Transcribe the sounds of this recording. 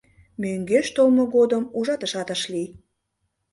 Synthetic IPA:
møŋɡeʃt̪olmoɣod̪əmuʒɑt̪ə̆ʃɑt̪əʃli

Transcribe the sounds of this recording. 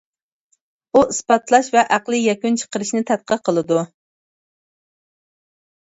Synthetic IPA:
uʔɨspɑt̪lˠɑʃvɛʔæqlˠɨjɛkʲunt͡ʃʰə̥qəɾɨʃnɪt̪ʰɛt̪̚qʰəɾqʰəlˠɨd̪u

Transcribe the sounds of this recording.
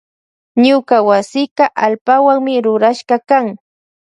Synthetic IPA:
ɲʊkawasɪɢɑʔalpawaŋmɪɾʊɾaʃɢɑkaŋ

